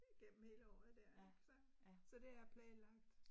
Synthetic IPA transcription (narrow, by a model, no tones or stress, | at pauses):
d̥eiɡ̥em̰m̩he̝ːləɒːð̩ˠd̥æɐsɒsɒ̽d̥e̝æɐpʰlɛːnlɑ̈ɡ̥̚d̥